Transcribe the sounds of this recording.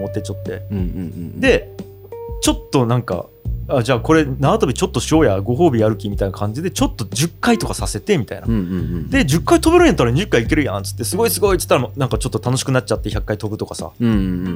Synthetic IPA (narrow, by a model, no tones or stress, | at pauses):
mot̪ːe̞t͡ɕo̞t̪ːe̞̰ | d̪e̞ | t͡ɕo̞t̪ːo̞nãŋka̰ | ad͡ʑaːko̞ɾe̞naːt̪obʲit͡ɕo̞t̪ːo̞ɕio̞ːjaɡo̞ɦo̞ːbʲijaɾɯ̟kʲimʲit̪ainakãɲ̟d͡ʑid̪e̞t͡ɕo̞t̪ːo̞d͡ʑɨkːait̪o̞kasase̞t̪e̞mʲit̪a̰ina̰d̪e̞d͡ʑɨkːait̪o̞beɾɯ̃ɲ̃jat̪ːaɾaɲiʑɨkːaiike̞ɾɯ̟jã̰nt͡sɨ̥t̪ːesɨɡo̞isɨɡo̞it͡sɨ̥t̪ːaɾanãŋkat͡ɕo̞t̪ːot̪ano̞ɕi̥kɯ̟nat̚t͡ɕat̪ːe̞çakːait̪o̞bɯ̟t̪okasa̰